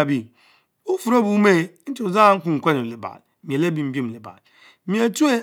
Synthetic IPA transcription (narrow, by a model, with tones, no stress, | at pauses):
bi˦ | u˦fu˨ɾo˦bu˨˦me˦n̩˦ti˨u˨za˦˨˦ŋ̩˦kʷu˦ŋ̩˨kʷe˦no˨li˨ba̰˨l | m˨e˨le˦bi˨m̩˦bi˦m̩˨li˨ba̰˨l | mi˦e˦tu˦e˦